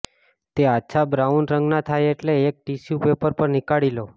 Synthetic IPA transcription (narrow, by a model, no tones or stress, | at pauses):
t̪eatːʃʰabɾaunɾəŋɡnat̪ʰajeʈleːk̚ʈisjupepəɾpəɾnikaɭilo